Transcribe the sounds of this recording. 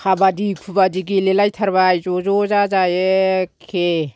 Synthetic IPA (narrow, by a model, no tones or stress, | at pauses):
kʰabadikʰubadiɡilelajtʰaɾbajzɔzɔzazajekʰe